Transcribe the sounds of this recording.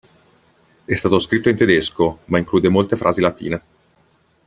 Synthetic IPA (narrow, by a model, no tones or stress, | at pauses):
ɛst̪aːt̪oskɾit̪ːoint̪ed̪eskomaiŋkluːd̪emolt̪efɾʔaːzilat̪ḭːne